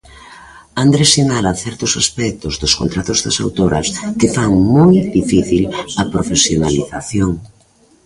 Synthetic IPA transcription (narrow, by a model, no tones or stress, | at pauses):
and̪ɾesinalɐθɛɾt̪ʊsaspɛk̚t̪ʊzðʊsko̰nt̪ɾat̪ʊzðɐsa̰wt̪oɾɐ̰skɪfaŋmojd̪ifiθilɐpɾofesjonaliθaθjoŋ